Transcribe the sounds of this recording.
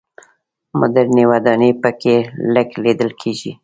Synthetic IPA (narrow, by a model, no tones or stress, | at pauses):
mʊ̰d̪aɾnewad̪ɑnepəkeləkled̪əlkʰeʒi